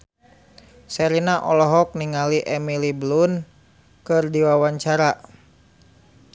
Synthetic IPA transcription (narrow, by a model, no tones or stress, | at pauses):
sɛɾinaʔɔlɔɦɔk̚niŋaliʔɛmilibəlun | kɨrdiwawaɲt͡ʃaɾa